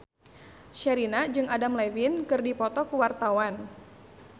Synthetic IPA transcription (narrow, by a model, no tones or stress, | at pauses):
ʃɛɾinad͡ʒɨŋadamlɛvinkɨrdipɔt̪ɔkuwart̪awan